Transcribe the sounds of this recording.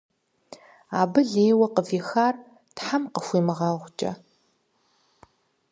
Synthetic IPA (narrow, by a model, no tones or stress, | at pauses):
aːbɨɮeːwɐqəviːxaːr | tħamqəxʷiːmɨʁɑːʁʷt͡ʃʼɐ̰